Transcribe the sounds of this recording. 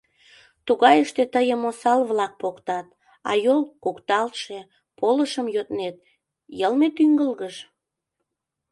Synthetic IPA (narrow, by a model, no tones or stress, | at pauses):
t̪uɣɑjəʃt̪et̪əjəmosɑlβlɑk̚pokt̪ɑt̪̚ | ɑ̰jolkukt̪ɑlt̪ʃe | poləʃəmjøt̪net̪̚ | jəlmet̪yŋɡəlɣəʃ